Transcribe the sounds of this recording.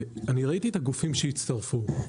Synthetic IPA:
aniʁait̪iet̪aɡufimʃejit͡st̪aʁfu

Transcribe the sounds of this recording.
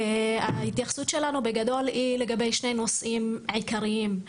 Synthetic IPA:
hahit̪jaχsut̪ʃe̞lanubeɡad̪o̞lhile̞ɡabe̞jʃne̞jno̞sʔimʕikaʁiim

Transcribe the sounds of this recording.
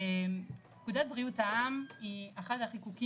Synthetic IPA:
kudat̚bʁiutaamiaχadhaχikuki

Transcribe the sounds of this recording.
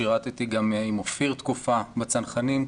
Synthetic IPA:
iʁat̪it̪iɡamːeaimofiʁt̪kufabat͡sanχanim

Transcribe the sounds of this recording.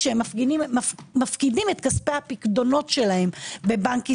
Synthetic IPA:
ʃeemafɡiimafkidime̞t̪kaspehapikdo̞no̞tʃe̞lahe̞mbe̞baŋki

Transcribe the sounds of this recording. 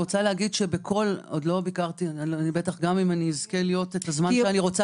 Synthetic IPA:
ʁot͡saleaɡid̪ʃe̞bekʰo̞lod̪lo̞bikaʁt̪inibetaχɡamimaniizkelijo̞tet̪azmanʃeaniʁo̞t͡sa

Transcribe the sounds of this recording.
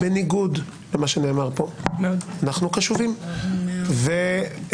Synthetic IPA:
beniɡud | lemaʃene̞ːmaʁpo̞anaχnukaʃuvim | ve

